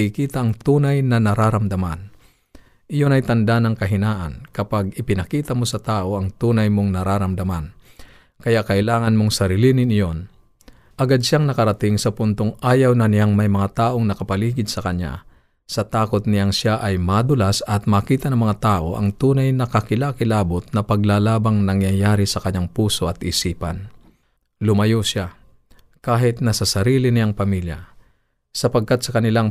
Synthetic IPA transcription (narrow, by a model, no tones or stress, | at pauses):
ikiːt̪ɐʔɐŋt̪uːnajnɐnɐɾaɾɐmd̪ɐma̰n | ʔɪjonɐjt̪ɐnd̪anɐŋkɐɦɪnaːʔɐ̰nkɐpaɡɪpɪnɐkiːt̪ɐmosɐt̪aːʔoʔɐŋt̪uːnɐjmoŋnɐɾaɾɐmd̪ɐman | kɐjaʔkɐʔɪlaːŋɐnmoŋsɐɾilinɪnɪjon | ʔɐɡad̪̚ʃaŋnɐkɐɾɐt̪ɪŋsɐpʊnt̪oŋʔaːjɐwnɐnɪjaŋmɐjmɐŋat̪aːʔo̞ŋnɐkɐpɐliːɡɪd̪sɐkɐɲja̰ | sɐt̪aːkot̪̚nɪjaŋʃaʔɐjmad̪ʊlasɐt̪̚maːkiːt̪ɐnɐŋmɐŋat̪aːʔo̞ʔɐ̰ŋt̪uːnajnɐkɐkɪlakɪlaːbʊt̪̚nɐpɐɡlaːlaːbɐŋnɐŋjajaːɾɪsɐkɐɲaŋpuːso̞ɐt̪ʔɪsiːpɐ̰n | lʊmɐjoʃa | kaːɦɪt̪̚nɐsɐsɐɾiːlɪnɪjaŋpɐmilja̰ | sɐpɐɡ̚kat̪̚sɐkɐnɪlaŋ